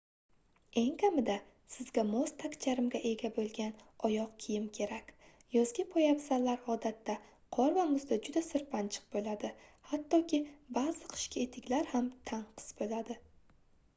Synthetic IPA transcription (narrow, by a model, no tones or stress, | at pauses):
e̞ŋkʲʰamɪd̪a | sɪzɡʲamost̪ʰakʲt͡ʃʰaɾɪmɡʲaʔe̞ɡʲabolˠɡʲanɒjɒq̚kʲʰijɪmkʲʰe̞ɾakʲ | jɒzɡʲapʰɒjapsalːaɾɒd̪at̪ːa | qʰɒɾvamʊzd̪ad͡ʒʊd̪asɪɾpant͡ʃʰɨ̥q̚bolad̪ɪhat̪ːɒkʲɪbazɨqʰɨ̥ʃkʲʰaet̪ʰɪkʲlaɾhamt̪ʰaŋqʰɨ̥sbolad̪ɪ